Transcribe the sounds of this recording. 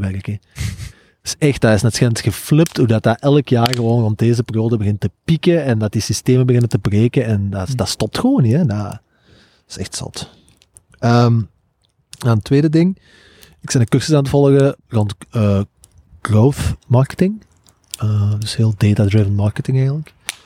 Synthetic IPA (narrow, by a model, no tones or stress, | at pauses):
ɛrəkə̥ | sɛxt̚daːɪsnɛtsxɛətxəflɪp̚tudɑt̚daʔɛlˠəkjaːrɣəʋoːnrɔnt̚deːzəperjoːdəbəɣɪntəpikəɛndɑt̚disisteːməbəɣɪnəntəbreːkənɛndad̥ɑstɔp̚txəʋoːnːiɛda | ɪ̥sɛ̰xtsɔ̰t | əm | naəntweːdədɪŋ | ɪksɛndəkɵrsəsaːnt̬əvɔlˠəɣərɔntəː | ɡ̥rowθmɑrkə̥tɪŋ | əːdɵsheːlˠdeːtadɹɪvənmɑrkətɪŋɛjɣənlək